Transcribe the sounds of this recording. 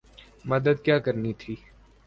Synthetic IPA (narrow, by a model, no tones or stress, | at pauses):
mɐd̪əd̪kjaːkəɾnit̪ʰiː